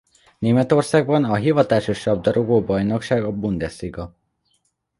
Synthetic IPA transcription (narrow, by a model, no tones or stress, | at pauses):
neːmɛt̪o̞rsaːɡbɒnɒɦivɒt̪aːʃoʃːɒb̚d̪ɒɾoɡoːbɒjno̞kʃaːɡɒbund̪ɛsiɡɒ